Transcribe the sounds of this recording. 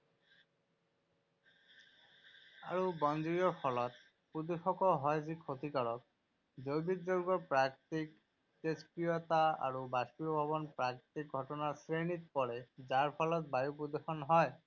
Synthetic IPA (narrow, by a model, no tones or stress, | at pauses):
a̰ɹubɔndɹijɔɹpʰɔlɔt̪̚ | pud̪exɔkɔɦɔjzikʰot̪ikaɹɔk̚ | dojbik̚zoɹɡɔɹpɹakt̪ik | t̪espɹijɔt̪aa̰ɹubaspiɔbʱabɔnpɹakt̪ik̚ɡʱɔtɔnaɹsɹenit̪̚pɔɹɛzaɹpʰɔlɔt̪̚bajupud̪exɔnɦɔj